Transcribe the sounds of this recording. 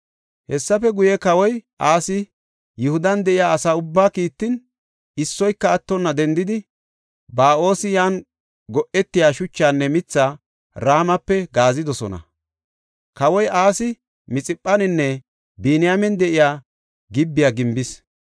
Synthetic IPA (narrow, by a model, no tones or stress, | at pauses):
hɛsːɐfɛɡʊjɛkɐwɔjʔaːsɪ | jʊhʊd̪ɐnd̪ɛʔɪjaːɐsaːʊbːaːkiːt̪ːɪn | ɪsːɔjkːɐːt̪ːɔnːɐd̪ɛnd̪ɪd̪ɪ | baːʔo̞ːsɪjaːn | ɡɔʔɛt̪ːɪjaːʃʊt͡ʃːaːnːɛmɪt͡sːaː | ɾaːmɐpːɛɡaːzɪd̪ɔsɔ̰nɐ̰ | kɐwɔjʔaːsɪ | mɪt͡sʼɪpʼːɐnɪnːɛ | biːnɪjamɛnd̪ɛʔɪjaː | ɡɪbːɪjaːɡɪmbɪs